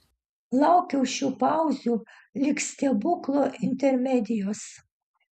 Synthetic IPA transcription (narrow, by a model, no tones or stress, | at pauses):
lˠɑˑʊkʲɛʊʃʲuːpɑˑʊzʲuː | lʲɪksʲt̪ʲɛbʊklˠoːʔɪnʲt̪ʲɛɾʲmʲɛd̪ʲɪjoːs